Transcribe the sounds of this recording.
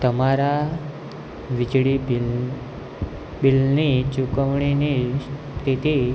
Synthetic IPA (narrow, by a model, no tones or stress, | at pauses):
t̪əmaɾa | ʋid͡ʑɽibi | bilnit͡ɕukəʋɳinis | t̪ʰit̪i